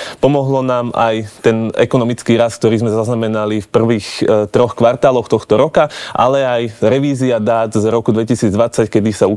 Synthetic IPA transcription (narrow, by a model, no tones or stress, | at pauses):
pɔmɔɦlɔnaːma̰jt̪ɛnɛ̰kɔnɔmit͡skiːɾask̚t̪ɔɾiːzmɛzaznamɛnalifpr̩ʋiːxt̪ɾɔxkʋaɾt̪aːlɔxt̪ɔxt̪ɔɾɔkaʔa̰lɛajɾɛʋiːziad̪aːd̪zɾɔkud̪ʋɛcisiːd͡zd̪ʋat͡sackɛd̪isau